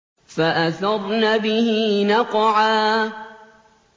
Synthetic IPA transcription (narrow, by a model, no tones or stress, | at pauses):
faʔaθɑɾˤnaːbɪhiiːnɑqʕaː